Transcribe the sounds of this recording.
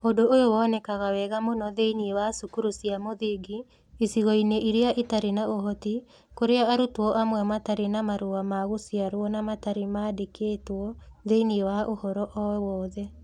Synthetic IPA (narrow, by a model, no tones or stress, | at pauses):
odoojowɔːnɛkaɣawɛɣamonɔðeiniewasukuɾusiamoðiɡi | isiɣɔineiɾeaʔitaɾenaoɦɔti | koɾeaaɾutwɔʔamwɛmataɾenamaɾoamaɣosiaɾwɔnamataɾemaːdekʰeːtwɔðeiniewaʔohɔɾɔʔɔɛwɔːðɛ